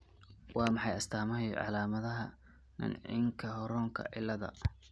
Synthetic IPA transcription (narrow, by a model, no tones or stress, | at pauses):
wɑːmɑħɑjɐst̪ʰaːmɐhj̰ʕɑ̰laːmɐðɐɦɐ | nɪ̰nʕɪ̰ŋkʰɐɦɔɾɔːŋkʰɐ̰ʔɪlːɐðɐ̰